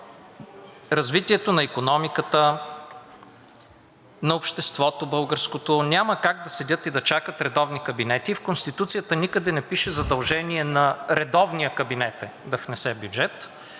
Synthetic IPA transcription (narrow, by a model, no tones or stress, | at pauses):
ɾɐzvit̪iɛt̪onɐikonɔmikət̪ə | nɐopʃt̪ɛst̪vɔt̪obɤlˠɡəɾskot̪onʲaməkaɡ̚d̪ɐsɛdʲɤt̪id̪ɐt͡ʃakət̪ɾɛd̪ɔvnikɐbinɛt̪iːfkonst̪it̪ut̪sijət̪ənikəd̪ɛnɛpiʃɛzɐd̪ɐlˠʒɛniɛnɐɾɛd̪ɔvnijəkɐbinɛt̪ɛd̪ɐfnɛsɛbʲjud͡ʒɛt̪